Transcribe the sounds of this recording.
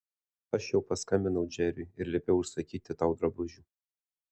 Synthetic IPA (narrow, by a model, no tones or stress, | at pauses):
ɐʃjɛʊpɐskɐmʲbʲɪnɐʊd͡ʒʲæɾʲʊɪɪɾlʲɛpʲeːjɛʊʃsɐkʲiːt̪ʲɪt̪ɑʊd̪ɾɐbʊʒʲu